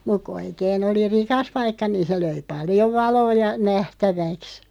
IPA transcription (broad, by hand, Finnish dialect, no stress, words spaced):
muk̆ ku oikeːn oli rikɑs pɑikːɑ niːn̞ se løi pɑljoʋ̆ ʋɑloː jɑ næhtæʋæks